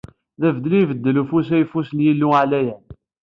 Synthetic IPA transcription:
ðævəd̪livəd̪ːəlufusæjfusnjilːuʕlæjæn

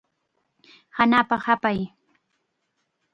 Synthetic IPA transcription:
hanaːpaχapaj

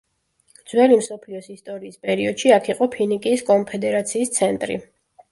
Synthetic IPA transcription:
d̪z̥wɛlimsɔpʰliɔsist̪ʼɔɾiːspʼɛɾiɔd̪̥ʃiakʰiqʼɔpʰinikʼiːskʼɔnpʰɛd̪ɛɾat̪sʰiːst̪sʰɛnt̪ʼɾḭ

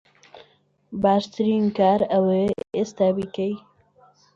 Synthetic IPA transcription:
baːʃt̪ʰɨɾiːnkaːɾɐweest̪aːbikej

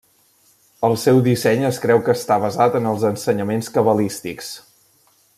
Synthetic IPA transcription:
əlˠsɛwðisɛɲəskɾɛwkəːst̪aβəzat̪ənəlˠzənsəɲəmenskəβəlist̪iks

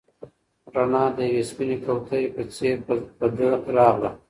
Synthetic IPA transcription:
ɾanɑd̪əjawespinekawt̪ʰaɾpət͡seɾbəd̪əɾɑɣla

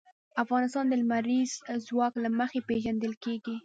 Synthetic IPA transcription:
afɣɑnɪs̬t̪ɑnd̪əlmaɾizzwɑklaməxepeʒand̪əlkeɡi

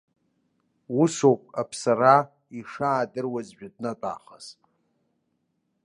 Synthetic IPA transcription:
usowpʼapʰsara | iʂaːdɨrwazʒᶣad̚natʼa̰ːχaz

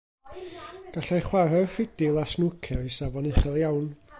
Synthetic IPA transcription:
ɡ̥aɬajχwarɛrfɪd̥ɪlˠasnukʰɛisavɔnɪχɛlˠjawn

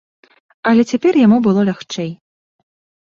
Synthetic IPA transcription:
ɐlʲɛt͡sʲapʲɛrjamubɨlˠɔlʲaxt͡ʂɛj

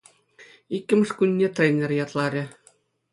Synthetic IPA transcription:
ikʲːɘ̆mɘ̆ʂkunʲːet̪rʲenʲĕrʲjɑt̪lˠɑɾʲɘ̆

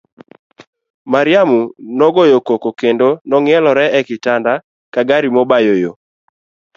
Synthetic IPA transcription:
maɾɪamunɔɡɔjokokokendonɔŋɪɛlɔɾɛɛkɪtanda | kaɡaɾimɔbajojo

